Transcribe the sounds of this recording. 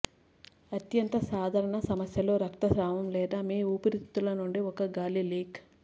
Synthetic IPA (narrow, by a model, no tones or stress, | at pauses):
ɐt̪jɐnt̪ɐsaːd̪ʱaːɾɐɳɐsɐmɐsjɐlo̞ːɾɐkt̪ɐʃɾaːmɐmlɛːd̪aːmiːupɐɾit̪ːulɐnuɳɖiɔkɐɡaːliliːk